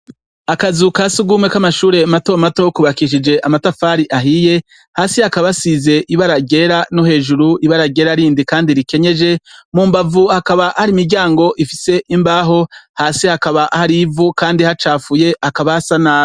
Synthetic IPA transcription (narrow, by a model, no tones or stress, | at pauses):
akazukasuɡumwe̞kamaʃuːɾe̞mato̞mato̞kuβakiʃid͡ʒe̞ʔamatafaːɾiʔaɦije̞ | haːsihakaβasize̞ʔiβaɾaɡe̞ɾano̞he̞ːʒuɾuʔiβaɾaɡe̞ːɾaɾiːndikaːndiɾike̞ɲe̞d͡ʒe̞muːmbavuhakaβaʔhaɾimiɾɟaːŋɡo̞ʔifise̞ʔimbaːɦo̞haːsihakaβaʔhaɾivukaːndihat͡ʃaːfuje̞ʔakaβasanaː